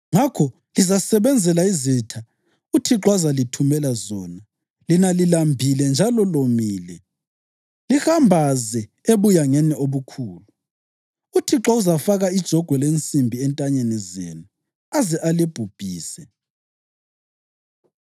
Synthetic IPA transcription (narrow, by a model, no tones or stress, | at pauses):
ŋakʰɔ | lizasɛβɛnd͡zʱɛlaizitʰa | utʰiǁwazalitʰumɛlazɔna | linalilambʱilɛnd͡ʒʱalɔlomiːlɛ | lixambʱazɛ | eβujaŋɛnioβukʰuːlu | utʰiǁauzafaɣaid̥ʒ̥ʱɔɡ̥ʱwɛlent͡sʼimbʱiɛntʼaɲenɛzḛːnu | azɛʔalib̥ʱub̥ʱiːsɛ